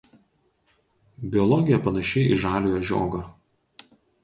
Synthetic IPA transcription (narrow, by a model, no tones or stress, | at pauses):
bʲɪɔlˠɔɡʲɪjɛpɐnɐʃʲɛɪɪʒɑːlʲojoʒʲo̰ːɡɐ